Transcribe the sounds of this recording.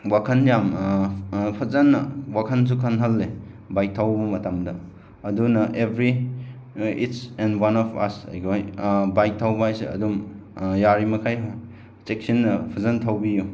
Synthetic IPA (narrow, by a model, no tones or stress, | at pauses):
wakʰɐnjam | pʰɐzɐnːɐwakʰɐns̬ukʰɐnɦɐlːe | bajk̚tʰawbɐmɐtamdɐ | ɐdunɐʔebʱɾi | ḭtsɛnwanɔpʰɐ̰sa̰jɡojbajk̚tʰawbajsḛɐ̰dum | jaɾimɐkʰaj | t͡ʃek̚sinːɐpʰɐzɐntʰawbiju